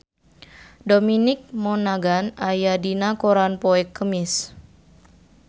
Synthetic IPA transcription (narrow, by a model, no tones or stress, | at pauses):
dominɪk̚mɔnaɡanajadinakoɾanpɔɛkːəmɪs